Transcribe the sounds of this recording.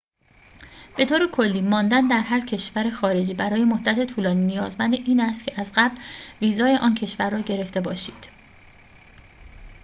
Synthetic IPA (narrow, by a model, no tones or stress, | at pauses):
b̥e̞t̪ʰoːɾekʰo̞lːiːmɒːnd̪ænd̪æɾɦæɾcʰe̞ʃvæɾe̞xɒːɾe̞d͡ʒiːbæɾɒːjemoh̪d̪æt̪ʰe̞t̪ʰuːlɒːniːnijɒːzmænd̪eʔiːnæst̪cʰe̞ʔæzɢæblviːzɒːje̞ʔɒːncʰe̞ʃvæɾːɒːɟeɾe̞ft̪e̞bɒːʃiːd̪̥